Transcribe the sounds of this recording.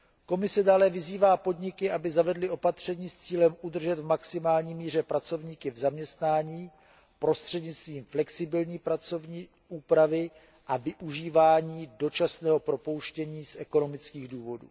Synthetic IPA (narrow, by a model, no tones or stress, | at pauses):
ko̞mɪsɛdaːlɛvɪziːvaːpo̞dɲɪkɪʔabɪzavɛdlɪo̞pat̪r̝̥ɛɲiːst͡siːlɛmʔud̪r̩ʒɛt̪vmaksɪmaːlɲiːmiːr̝ɛpɾat͡so̞vɲiːkɪvzamɲɛst̪naːɲiː | pɾo̞st̪r̝̥ɛdɲɪt͡st̪viːmflɛksɪbɪlɲiːpɾat͡so̞vɲiː | ʔuːpɾavɪ | ʔavɪʔuʒiːvaːɲiːdo̞t͡ʃasnɛːɦo̞pɾo̞po̞wʃcɛɲiːsʔɛko̞no̞mɪt͡skiːɣduːvo̞dṵː